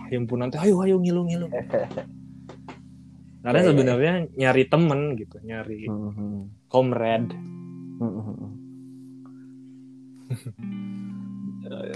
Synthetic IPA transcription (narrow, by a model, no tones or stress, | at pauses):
jimpunant̪uɦajuajuŋiluŋilu | karəɲasəbənərɲaɲaɾit̪əmənɡit̪uɲaɾi | kɔmrɛd